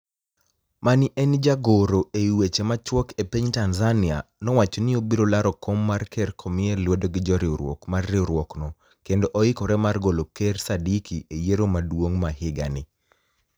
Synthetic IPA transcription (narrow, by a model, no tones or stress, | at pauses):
manɪʔɛnd͡ʒaɡoɾoeiwet͡ʃemat͡ʃwɔkepeɲtanzanɪanɔwat͡ʃonɪobiɾolaɾɔkomːarkʰɛrkʰomɪɛlwodoɡɪd͡ʒɔɾɪoɾwɔ̰kmarːɪoɾwɔknɔ | kendoʔɔɪkɔɾɛmarɡolokersadikiʔejeɾomadwoŋmahɪɡa̰nɪ